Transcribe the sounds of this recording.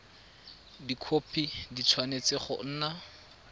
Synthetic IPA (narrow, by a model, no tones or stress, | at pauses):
dikʰopʰidit͡sʰwanet͡sɪχʊ̰n̩ːna